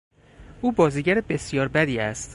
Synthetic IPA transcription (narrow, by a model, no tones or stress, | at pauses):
ʔuːbɒːziːɟæɾebe̞sjɒːɾbæd̪iːæst̪